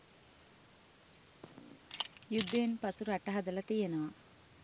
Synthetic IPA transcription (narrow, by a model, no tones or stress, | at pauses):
jud̪ːeːnpɐsuɾɐʈːɐɦɐd̪ɐlɐt̪ejɐnɐʋɐ